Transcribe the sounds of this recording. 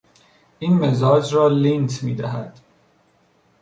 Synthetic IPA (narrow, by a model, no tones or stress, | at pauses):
ʔiːnmezɒːd͡ʒɾɒːlint̪ʰmiːd̪æɦæd̪̥